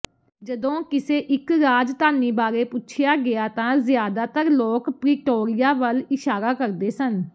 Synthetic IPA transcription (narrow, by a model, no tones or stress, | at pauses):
d͡ʒəd̪õːkɪseːʔɪkɾaːd͡ʒt̪aːniːbaːɾeːpʊtːʃʰɪjaːɡɪjaːt̪ãːzɪjaːd̪aːt̪əɾloːkpɾɪːʈoːɾɪjaːʋəlɪʃaːɾaːkəɾd̪eːsən